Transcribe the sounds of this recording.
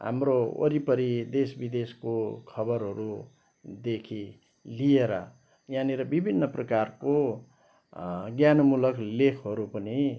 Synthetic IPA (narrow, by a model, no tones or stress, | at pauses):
ɦa̰mroʌ̰ɾipʌɾid̪esbid̪eskokʰʌbʌɾɦʌɾu | d̪ekʰi | lieɾʌ | jãniɾʌbibʱinːʌprʌkarko | ɡjanʌmulʌklekʰɦʌɾupʌni